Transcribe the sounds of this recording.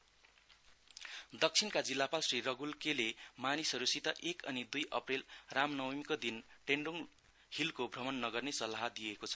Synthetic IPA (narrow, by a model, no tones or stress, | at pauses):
d̪ʌk̚t͡sʰinkad͡zilːapalsrirʌɡulkelemanisʌɾusit̪ʌʔekʌnid̪ujʔʌ̰prelramnʌwmikod̪inʈeɳɖuŋ | hilkobʱrʌmʌnːʌɡʌrnesʌlːaɦd̪iekot͡sʰʌ̥